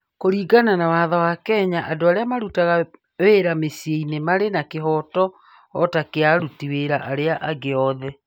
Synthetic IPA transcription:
koɾiːɡananawaːðawakɛːɲaʔadoaɾeamaɾutaɣa | weɾamesjeinemaɾenakeɦɔtɔ | ɔtakeaɾutiweɾaʔaɾeaʔaɡeɔðɛ

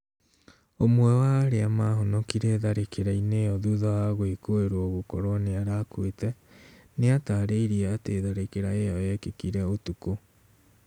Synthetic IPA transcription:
omwɛwaːɾeamaɦonɔkiɾeːðaɾekʰeɾaineɔðuðaaɣoekoeɾwɔɣokɔɾɔneaɾakwetɛneataːɾeiɾiaateðaɾekeɾaejɔɛkekiɾɛotuko

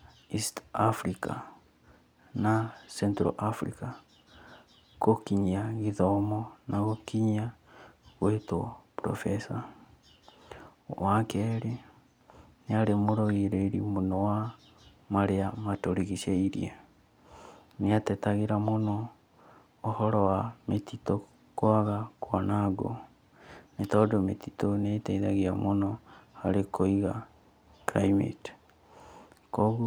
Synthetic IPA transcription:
istafɾika̰ | nasɛntɾɔ̰ʔafɾḭka | kokiɲiaɣiðɔmɔnaɣokiɲa | ɣwetopɾɔ̰fɛsa | wakɛɾi | neaɾemoɾoɣiɾeiɾimonɔwa | maɾeamatoɾiɣiʃeiɾḭa | neatɛtaɣeɾamonɔː | hɔɾɔwametito | kwaɣakwanaɡo̰ | netɔdomet̪itonetɛiðaɣiamonɔaɾekoiɣa | kɾaimḛt | kɔɣu

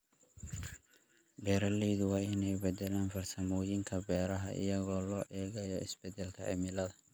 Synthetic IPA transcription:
bɛːɾɐlɛːðʊwɑːɪnɛjbɛd̪ɛlaːnfɐrsɐmɔːjɪŋkʰɐbɛːɾɐɦɐʔɪ̰jɐɣɔːlɔːʔɛːɣɐjɔʔɪsb̥ɛd̪ɛlkʰɐʕɪ̰mɪlɐðɐ

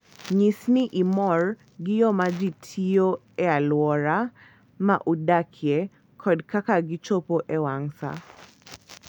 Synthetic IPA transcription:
ɲisniʔimɔɹ | ɡijɔmad͡ʒitʰiɔ | ɛalwɔɾa | maʔudakʰjɛ | kʰɔdkakaɡit͡ʃɔpɔʔɛwaŋsa̰

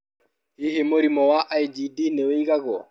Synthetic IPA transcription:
iɦemoɾimɔwaʔajd͡ʒidinɛwejɡaɡɔ̰

